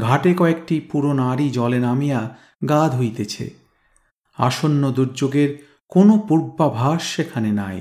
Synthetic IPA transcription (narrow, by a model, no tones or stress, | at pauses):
ɡʱaʈekɔek̚ʈipuɾonaɾid͡ʑɔlenamija | ɡad̪ʱɦojt̪et͡ɕʰḛ | a̰ʃonːod̪uɾd͡ʑoɡeɾ | konopuɾbːabʱaʃːekʰanenaj